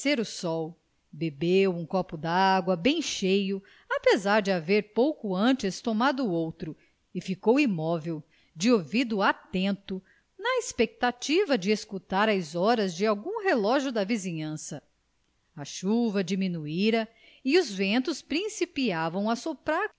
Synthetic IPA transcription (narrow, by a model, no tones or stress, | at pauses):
seɾʊsɔw | bebewũkɔpʊd̪ɐaɡwɐbẽj̃ʃejʊ | apezaɾd͡ʒɪaveɾpowkuɐ̃t͡ʃɪst̪omad̪ʊowt̪ɾʊ | ɪfikowimɔvew | d͡ʒɪovid̪ʊat̪ẽnt̪ʊ | nɐespek̚t̪at͡ʃivɐd͡ʒɪeskut̪aɾɐzɔɾɐzd͡ʒɪawɡũɦelɔʒʊd̪ɐvizĩɲɐ̃sɐ | ɐʃuvɐd͡ʒimĩnuiɾɐ | iuzvẽnt̪ʊspɾĩsipiavɐ̃w̃ɐsopɾaɾ